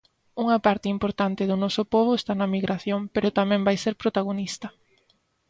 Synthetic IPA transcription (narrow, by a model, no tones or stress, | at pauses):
uŋɐpaɾt̪ɪimpoɾt̪ant̪ɪðʊnɔsʊpoβ̞ʊest̪anɐmiɣɾʔaθjoŋpeɾʊt̪amɛ̃mbajseɾpɾot̪aɣonist̪ɐ